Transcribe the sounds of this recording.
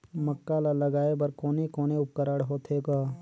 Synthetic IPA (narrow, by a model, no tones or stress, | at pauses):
məkːalalɐɡaːebɐɾkoːnekoːneʊp̚kəɾəɽɦoːt̪ʰɦeːɡaː